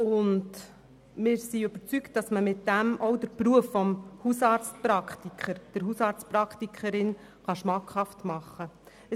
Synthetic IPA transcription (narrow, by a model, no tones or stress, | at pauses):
ʊnd | mɪːɾsiøb̥əɾt͡sykt̚d̥ɑsməmɪtdæmɔwdəɾpɾuəfːɔmhusɑːɾt͡st̚pɾɑkχtikʰχəɾd̥əɾɦusɑːɾtt͡stpɾɑktikʰəɾɪn | χɑʃmɑkhɑftmɑχːə